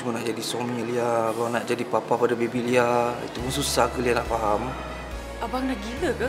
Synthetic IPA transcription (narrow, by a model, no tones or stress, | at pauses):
umənahd͡ʒadisomĩlialanaʔd͡ʒadipapahpadabebiliaḭt̪umususakəlianaʔfaɦam | abaŋnaɡiləka